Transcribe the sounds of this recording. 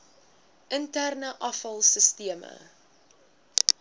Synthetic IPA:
ʔəntærnəʔɐfɐlˠsəstiəmə̰

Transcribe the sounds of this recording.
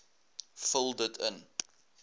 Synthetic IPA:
fəlˠdətʰə̰n

